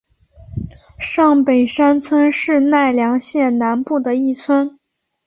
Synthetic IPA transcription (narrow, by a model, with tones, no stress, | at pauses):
ʂɑ˥˩ŋpe˨˩ɪʂa˥nt͡sʰwə˥nʂɻ̩˥˧na˥˩ɪljɑ˧˥ŋɕjɛ˥˩nna˧˥npu˥˩d̪ə˩i˥˩t͡sʰwə˥n